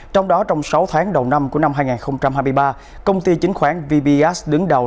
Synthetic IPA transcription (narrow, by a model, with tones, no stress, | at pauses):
t͡ɕɔ˧wŋ͡mɗɔ˨˦t͡ɕɔ˧wŋ͡msa˨˦wt̪ʰaː˨˦ŋɗə˨˩wna˧mku˧˩əna˧mɦaː˧jŋaː˨˩nxə˧wŋ͡mt͡ɕa˧mhɦaː˧jm˧jɓaː˧ | kə˧wŋ͡mt̪i˧t͡ɕï˨˦ŋ̟xwaː˧˩nvi˧ɓi˧ʔɛ˦˥sɗɨ˨˦ŋɗə˨˩w